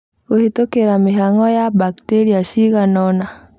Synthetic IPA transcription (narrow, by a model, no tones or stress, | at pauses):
ohetokeɾamiɦaŋɡɔjabakteɾiaʃiɣanɔna